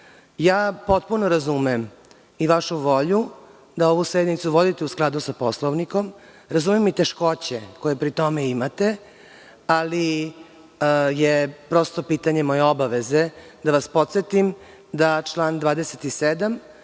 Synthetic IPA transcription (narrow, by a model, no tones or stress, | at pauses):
jaːpo̞t̪̚punoɾazumem | iʋaʃuʋo̞ʎu | d̪ao̞ʋusɾed̪nit̪suʋo̞d̪it̪eusklˠad̪usapo̞slˠoʋnikom | ɾazumemːit̪e̞ʃko̞t͡ɕeko̞jepɾit̪o̞meimat̪e̞ | ali | jepɾo̞st̪o̞piːt̪aɲemo̞jeobaʋeze | d̪aʋaspo̞t̪se̞t̪im | d̪at͡ʃlaːnd̪vʋaːd̪eset̪ised̪am